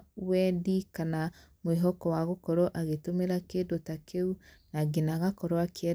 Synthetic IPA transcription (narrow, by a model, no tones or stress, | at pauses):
wɛdikana | mweɦɔkɔwaɣokɔɾɔʔaɣetomeɾakedotakʰeunaɡenaɣakɔɾwakɛ